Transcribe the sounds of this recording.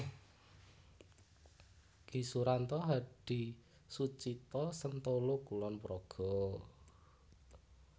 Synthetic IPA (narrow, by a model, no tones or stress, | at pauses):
kisuɾant̪ɔɦaɖ̥i̤ | sut͡ʃit̪ɔsənt̪olokulɔnpɾɔɡ̥ɔ̤